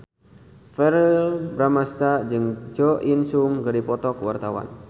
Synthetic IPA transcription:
fɛɾilbɾamast̪ad͡ʒɨŋd͡ʒɔʔinsuŋɡaɾipɔt̪ɔkwart̪awa̰n

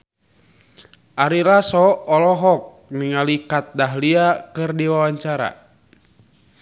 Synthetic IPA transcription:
ʔaɾiɾasɔːlɔɦɔk̚niŋalikat̪̚daɦliakɨrdiwawaɲt͡ʃaɾa̰

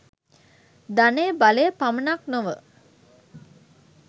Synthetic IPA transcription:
d̪anejəbalejəpamənaknoʋə̰

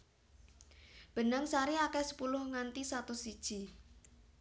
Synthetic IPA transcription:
b̥ə̤nəŋsaɾiakɛsə̥pulʊhŋant̪isat̪osid̥ʒ̥i̤

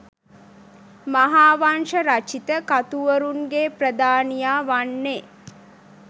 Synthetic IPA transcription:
maɦaːʋanʃəɾat͡ʃit̪əkat̪uʋəɾuŋɡeprəd̪aːnijaːʋanːe

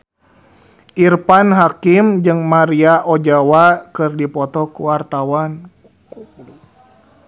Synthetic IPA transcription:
ʔirpanɦakimd͡ʒɨŋmaɾiaʔɔd͡ʒawakɨrdipɔt̪ɔkuwart̪awan | kulu

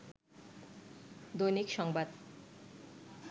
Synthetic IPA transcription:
d̪ojnikʃɔŋbad̪

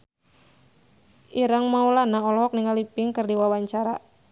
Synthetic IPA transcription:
ʔiɾaŋmaulanaɔlɔɦɔk̚niŋalipɪŋkɨrdiwawaɲt͡ʃaɾa̰

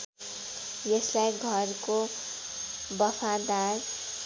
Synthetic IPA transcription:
jeslajɡʱʌɾko | bʌpʰad̪ar

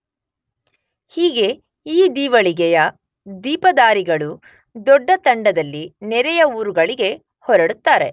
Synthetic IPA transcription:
hiːɡe̞ | iːd̪iːʋɐɭiɡɛjɐ | d̪iːpɐd̪aːɾiɡɐɭu | d̪ɔɖːɐt̪ɐɳɖɐd̪ɐlːinɛɾɛjɐuːɾuɡɐɭiɡe̞ | hɔɾɐɽut̪ːaːɾe̞

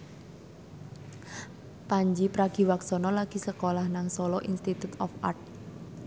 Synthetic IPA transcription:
paɲd͡ʒipɾaɡ̥i̤waksɔnɔlaɡ̥i̤səkolahnaŋsɔlɔʔinst̪it̪ut̪ɔfart̪̚

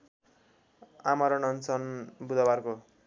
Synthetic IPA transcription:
amʌɾʌnʌnt͡sʰʌnbud̪ʌbarko

